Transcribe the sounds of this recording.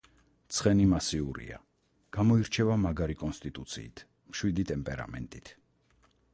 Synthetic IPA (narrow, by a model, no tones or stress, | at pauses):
t̪sʰχɛnimasiuɾḭa̰ | ɡ̥amɔiɾt͡ʃʰɛvamaɡaɾikʼɔnst̪ʼit̪ʼut̪sʰḭːt̪ʰ | mʃwid̪it̪ʼɛmpʼɛɾa̰mɛ̰nt̪ʼit̪ʰ